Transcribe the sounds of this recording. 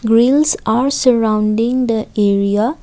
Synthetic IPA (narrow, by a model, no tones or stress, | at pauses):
ɡɾilsaɾsəɾãwnɖĩŋd̪əeɾia